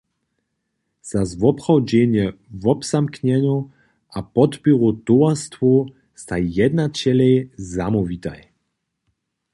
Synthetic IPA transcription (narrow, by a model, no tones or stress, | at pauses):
z̥azvɔpχawd͡ʑɛɲɛvɔbz̥amkɲɛɲu | ʔapɔt̪piʁut̪ɔast̪vɔ | st̪ajɛd̪nat͡ɕɛlɛjzamɔvit̪a̰j